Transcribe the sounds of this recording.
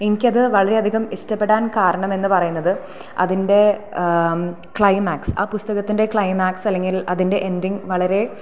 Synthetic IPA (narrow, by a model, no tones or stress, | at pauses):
enikʲːɐðɨʋɐɭɐɾe̞ɐd̪ʱiɣɐmiʂtɐpːe̞ɽaːnkaːɾɐɳɐme̞nːɨpɐrɐjunːɐðɨ | ɐ̰ðinde̞ | kɭɐjmaːksa̰ːpust̪ɐɣɐt̪ːinde̞kɭɐjmaːksɐlːe̞ŋɡilɐðinde̞ʔendiŋʋɐɭɐɾe̞